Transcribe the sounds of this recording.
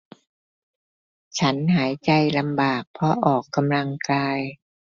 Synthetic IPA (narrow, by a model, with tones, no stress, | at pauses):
t͡ɕʰa˦˥nɦaː˩˦jt͡ɕa˧jla˧mbaː˨˩k̚pʰɔ˧ʔɔː˨˩kːa˧mla˧ŋkaː˧j